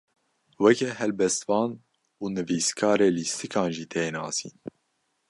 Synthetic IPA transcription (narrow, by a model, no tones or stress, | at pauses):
wɛkɛhɛlbɛst̪vɑːn | uːnɨviːskʰɑːɾeːlist̪ʰɨkʰɑːnʒiːt̪ʰeːnɑ̰ːsḭːn